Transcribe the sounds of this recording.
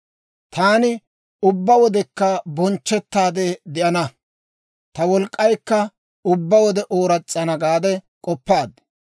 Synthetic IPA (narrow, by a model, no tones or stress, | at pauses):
t̪aːnɪ | ʊbːɐwɔd̪ɛkːɐbɔnt͡ʃːɛt̪ːaːd̪ɛd̪ɪʔɐnɐ | t̪ɐwɔlkʼːɐjkːɐ | ʊbːɐwɔd̪ɛʔoːɾɐt͡sʼːɐnɐɡaːd̪ɛkʼɔpːaːd̪